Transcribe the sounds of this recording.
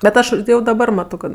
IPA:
bʲɛt ˈɐʃ jɛʊ dɐˈbɐr ˈmɑːtoː kɐt

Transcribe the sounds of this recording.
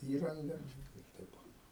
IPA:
ˈiːrɐŋɡɐ ɪr ˈtʲɛɪp oː

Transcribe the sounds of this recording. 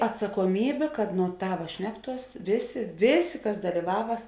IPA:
ɐtsɐkoːˈmʲiːbʲeː kɐt nuɔ ˈtɑːʋɐ ˈʃʲnʲæːkˌtuɔs ˈʋʲeːˌsʲeː ˈʋʲeːˌsʲeː ˈkɐs dɐlʲɪˈʋɑːʋɐ

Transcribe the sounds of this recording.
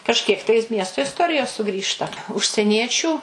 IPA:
kɐʃʲˈkʲiɛk tɐɪ ˈmʲiɛstoː ɪsˈtoːrʲɪjoːs sʊˈɡrʲiːʃtɐ ʊʃʲsʲɛˈnʲiɛt͡ʃʲuː

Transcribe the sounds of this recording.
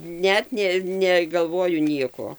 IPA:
ˈnʲɛt nʲeː nʲɛɡɐlˠˈʋoːjʊ ˈnʲiɛkoː

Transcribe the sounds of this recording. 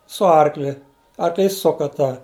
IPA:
sʊ ˈɐrklʲɪ ɐrkˈlʲiːs ˈsʊkɐ tɑː

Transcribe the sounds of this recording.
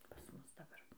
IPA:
pɐs ˈmʊs dɐˈbɐr

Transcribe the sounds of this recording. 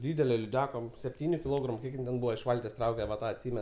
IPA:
ˈdʲiːdʲɛlʲɛ lʲɪˈdʲæːkɐ sʲɛpʲˈtʲiːnʲʊ kʲɪˈlˠoːɡrɐmʊ ˈkʲiɛk ˈjɪn tʲɛn ˈbuːʋɐ ɪʃ ˈʋɐlʲtʲeːs ˈtrɐʊkʲɛ ʋɐ ˈtɑː ɐtʲˈsʲiːmʲɛn

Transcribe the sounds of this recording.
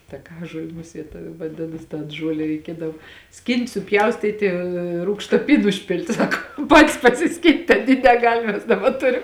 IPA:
tɐˈkɑːʒuɔlʲɪ ˈmʊsʲiɛt ʋɐˈdʲɪnɐs tɐn ˈʒuɔlʲɛ rʲɛɪˈkʲiɛdɐw ˈsʲkʲiːnt sʊˈpʲjɛʊsʲtʲiːtʲɪ ˈruːkʃtɐ ˈpʲiːn ʊʃʲˈpʲɪlʲtʲɪ ˈsɑːkoːm ˈpɑːtʲɪs pɐsʲɪˈsʲkʲiːnt ɐˈnʲiː nʲɛˈɡɐlʲ ˈmʲɛs ˈdɑːbɐ ˈtʊrʲɪm

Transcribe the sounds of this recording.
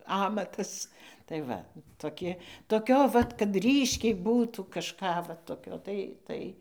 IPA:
ˈɑːmɐtɐs tɐɪ ˈʋɐ toːˈkʲɪ toːˈkʲoː ʋɐt kɐt ˈrʲiːʃʲkʲɛɪ ˈbuːtuː kɐʃˈkɑː ʋɐ toːˈkʲoː tɐɪ ˈtɐɪ

